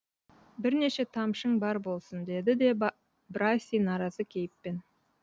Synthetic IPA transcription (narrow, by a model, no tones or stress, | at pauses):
bɪɾne̞ʃe̞t̪ʰɑmʃəɴbɑɾbo̞lˠsənd̪e̞d̪ɪd̪e̞ | brasʲijnɑɾɑzəkʲʰe̞jɪpːe̞n